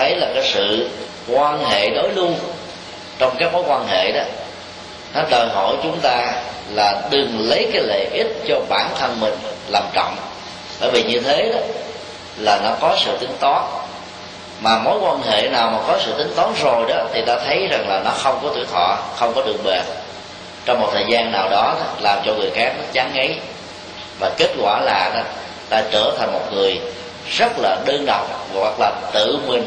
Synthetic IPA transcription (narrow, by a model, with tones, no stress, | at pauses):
ə˨˦jlaː˨˩kaː˨˦jsɨ̰˧˨ | kwaː˧nɦḛ˧˨ɗo˨˦jlu˧ən | t͡ɕɔ˧wŋ͡mkaː˨˦˥k̚mo˨˦jkwaː˧nɦḛ˧˨ɗɔ˨˦ | nɔ˨˦ɗəː˨˩jɦo̰˧˨jt͡ɕʊ˨˦ŋ͡mt̪aː˧ | laː˨˩ɗɨ˨˩ŋlə˨˦jkaː˨˦jle˧˨˩ʔi˦˥t̚t͡ɕɔ˧ɓaː˧˩nt̪ʰə˧nmï˨˩ŋ̟laː˨˩mt͡ɕɔ̰˧˨wŋ͡m | ɓə̰ː˧˩jvi˨˩ɲɨ˧t̪ʰe˨˦ɗɔ˨˦ | laː˨˩nɔ˨˦kɔ˨˦sɨ̰˧˨t̪ï˨˦ŋt̪ɔ˨˦n | maː˨˩mo˨˦jkwaː˧nɦḛ˧˨naː˨˩wmaː˨˩kɔ˨˦sɨ̰˧˨t̪ï˨˦ŋ̟t̪ɔ˨˦nzo˨˩jɗɔ˨˦t̪ʰi˨˩t̪aː˧t̪ʰə˨˦jza˨˩ŋlaː˨˩nɔ˨˦xə˧wŋ͡mkɔ˨˦t̪i˧˩ək̚t̪ʰɔ˧˨xə˧wŋ͡mkɔ˨˦ɗɨ˨˩ək̚ɓe˨˩t̚ | t͡ɕɔ˧wŋ͡mːo˨˩t̚t̪ʰəː˨˩jzaː˧nːaː˨˩wɗɔ˨˦ɗɔ˨˦laː˨˩mt͡ɕɔ˧ŋɨ˨˩əjxaː˦˥k̚nɔ˨˦t͡ɕaː˨˦ŋʔə˨˦j | vaː˨˩ke˦˥kt̚kwa̰ː˧˩laː˨˩ɗɔ˨˦ | t̪aː˧t͡ɕəː˧˩t̪ʰa˨˩ŋ̟mo˨˩t̚ŋɨ˨˩əj | zə˦˥t̚laː˨˩ɗəː˧nɗə̰˨wŋ͡mɣwa˨˩k̚laː˨˩t̪ɨ̰˧˨ŋwi˨˩n